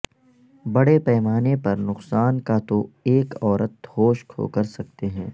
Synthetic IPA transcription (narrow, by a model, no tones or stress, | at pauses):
bɐɽepɛːmaːnepɐɾnʊqsaːnkat̪oeːkɔːɾət̪̚hoːʃkʰo̰kɐɾsɐk̚t̪eɦɛ̃ː